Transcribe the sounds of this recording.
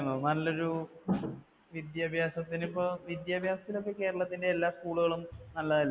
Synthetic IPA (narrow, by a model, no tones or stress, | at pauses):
nɐnɐlːo̞ɾu | ʋid̪jaːbʱjaːsɐt̪ːinipːoʋid̪jaːbʱjaːsɐt̪ːilo̞kːe̞ke̞ːɾɐɭɐt̪ːindeːlːaːskuːɭuɣɐɭumnɐlːɐðilː